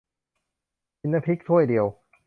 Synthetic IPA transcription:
i˧nːa˦˧pʰi˦˥k̚t̪ʰu˥˩əjdi˨˧əw

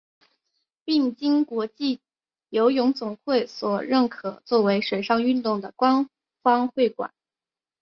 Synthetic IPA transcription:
pi˥˩ŋt͡ɕi˥ŋkwɔ˧˥t͡ɕi˥˩ | jo˧˥ʊjʊ˧˥ŋt͡sʊ˨˩ŋxwe˥˩ɪswɔ˨˩ɻə˥˩nkʰɤ˨˩t͡swɔ˥˩we˧˥ɪʂwe˨˩ɪʂɑ˥˧ŋy˥˧nt̪ʊ˥˩ŋd̪ə˩kwa˥n | fɑ˥ŋxwe˥˩ɪkwa̰˨˩˦n

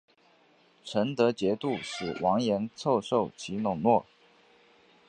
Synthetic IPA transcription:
ʈ͡ʂʰə˧˥nt̪ɤ˧˥t͡ɕjɛ˧˥t̪u˥˩ʂɻ̩˨˩wʔɑ˧˥ŋjɛ˧˥nt͡sʰo˥˧ʊʂo˥˩ʊt͡ɕʰi˧˥nʊ˨˩ŋnwɔ˥˩

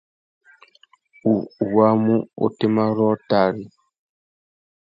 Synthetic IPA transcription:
u˨wa˦mu˦o̰˨te˦ma˦ɾɔ˦ta˦˨ɾi˨

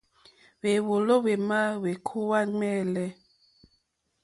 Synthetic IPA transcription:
we˨wo˨lo˦we˨ma˦we˨kʰu˦wa˦ŋ͡mɛ˦˨lɛ˦

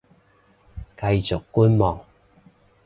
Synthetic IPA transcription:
kɐ˧jt͡sʊ˨kːu˥nmɔː˨˩ŋ

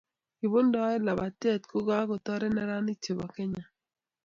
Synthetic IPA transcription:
i˨bo˦ndɔ˨˦ɛ˦la˨ba˨tɛ˦˨t̚ko˦ɡa˦kɔ˨t̪ɔ˦ɾɛ˦nɛ˦ɾa˦ni˦t͡ʃe˨bɔ˨ke˦ɲa˨

